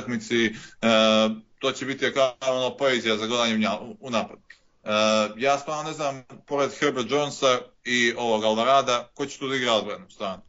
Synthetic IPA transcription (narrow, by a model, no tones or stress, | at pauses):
akmit̪si | t̪o̞ːt͡ɕebit̪iakaonoːpoezijazaɡod̪aːɲeuɲaunaːpod̪ | jaːst̪vaːɾnone̞znaːmpo̞ɾe̞d̪xeɾbiɾd͡ʒonsaio̞ʋo̞ɡalbaɾaːd̪akot͡ɕet̪uːd̪iɡɾaod̪bɾanust̪aːnu